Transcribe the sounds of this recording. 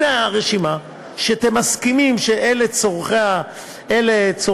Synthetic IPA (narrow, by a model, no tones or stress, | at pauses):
aʁeʃima | ʃeat̪emaskimimʃeʔelet͡soʁχea | elet͡so